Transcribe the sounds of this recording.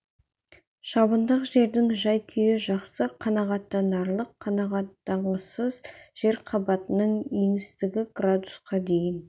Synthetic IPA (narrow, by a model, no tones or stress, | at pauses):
ʃɑbənd̪əqʒe̞ɾd̪ɪŋʒɑjkʲʰʏjɪʒɑqsəqʰɑnɑʁɑt̪ːɑnɑɾlˠəqʰːɑnɑʁɑt̪ːɑɴəsəzʒ̥e̞ɾqʰɑbɑt̪ənəɴeŋɪst̪ɪɡʲɪɡrad̪usqɑd̪e̞jɪn